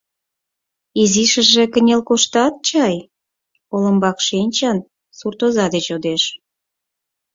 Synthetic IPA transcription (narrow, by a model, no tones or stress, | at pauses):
iziʃə̆ʒĕkə̆nʲelkoʃt̪ɑt̪̚t͡ɕɑj | olə̆mbɑkʃenʲt͡ɕɑn | surt̪ozɑd̪et͡ɕod̪eʃ